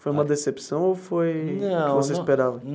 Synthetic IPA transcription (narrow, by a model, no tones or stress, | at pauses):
fojũmɐd̪esepsɐ̃w̃ofojnɐ̃ɪvoseispeɾavɐ